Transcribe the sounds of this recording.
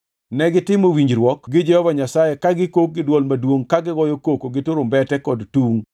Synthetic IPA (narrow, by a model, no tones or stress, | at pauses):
nɛɡɪtɪmowiɲd͡ʒɾwɔkɡɪd͡ʒɛhɔvaɲasajekaɡɪkok̚ɡɪdwɔlmadwoŋkaɡɪɡɔjokokoɡɪtʊɾombɛtɛkɔdtuŋ